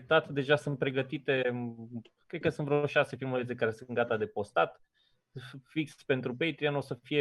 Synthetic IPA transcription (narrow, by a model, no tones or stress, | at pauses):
p̚t̪at̪d̪e̞ʒasɨnt̪̚pɾe̞ɡət̪it̪e̞ | kɾed̪̚kəsunt̪vɾeoooʃase̞filmuet͡s̪ekaɾesɨnɡat̪ad̪e̞po̞st̪at̪ | fikspe̞nt̪ɾupejt̪ɾianosəfije